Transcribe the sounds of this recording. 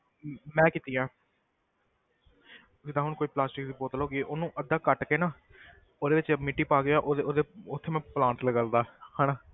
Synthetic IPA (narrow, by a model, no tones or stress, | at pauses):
mɛ̃ːkɪt̪iːãː | d͡ʒɪd̪ãːɦʊɽkoːiːplaːsʈɪk̚d̪iːboːt̪loːɡiːʔoːnũːʔəd̪ːaːkəʈkeːnãː | oːd̪eːʋɪt͡ʃmɪʈːiːpaːɡejãːʔoːd̪eoːd̪eːʊt̪ʰːeːmɛ̃ːplãːɳʈləɡəld̪aːhaːnãː